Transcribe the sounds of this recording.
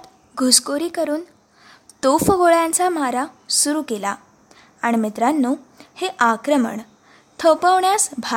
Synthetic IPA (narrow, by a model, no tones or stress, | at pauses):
t̪ | ɡʱuskoɾiːkəɾuːn | t̪ofəɡoɭjant͡samaɾasuɾuːkela | aɽ̃imit̪ɾanːuːheʔakɾəmə̰ɳ | t̪ʰəwpəʋɳjasbʱa